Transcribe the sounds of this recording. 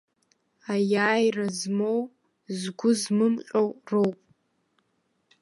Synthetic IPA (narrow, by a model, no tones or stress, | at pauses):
ajaːjrazmow | zɡʷʊzmɨmqʲʼowrowpʼ